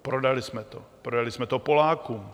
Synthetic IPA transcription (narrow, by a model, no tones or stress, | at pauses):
pɾodalismɛt̪o̰pɾodalismɛt̪opolaːkum